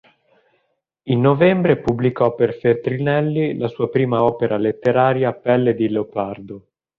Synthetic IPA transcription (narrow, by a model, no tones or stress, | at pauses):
inːovɛmbɾepublikɔpːerfet̪ɾinɛlːilasuːapɾiːmaɔːpeɾʔalet̪ːeɾaːɾjapɛlːed̪ileopard̪o